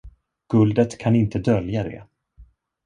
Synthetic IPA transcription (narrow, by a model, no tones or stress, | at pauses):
ɡ̥ɵld̪ət̪kʰanɪnt̪əd̪œljad̪ɛ̰